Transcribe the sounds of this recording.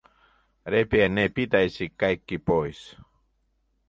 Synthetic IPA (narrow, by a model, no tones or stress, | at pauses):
ɾepienepit̪aisikajkːipojs